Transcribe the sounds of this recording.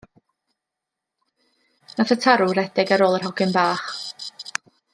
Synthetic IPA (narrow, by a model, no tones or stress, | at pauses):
naθətʰaɾʊɾɛdɪɡaɾoːlˠərɦɔɡɪnbaːχ